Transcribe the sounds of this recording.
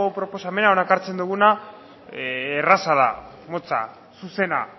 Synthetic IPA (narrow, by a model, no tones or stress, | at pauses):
opɾo̞po̞same̞naonaekaɾt͡se̞nd̪uɣ̞una | rasaða̰ | mo̞t͡sa̰ | suse̞na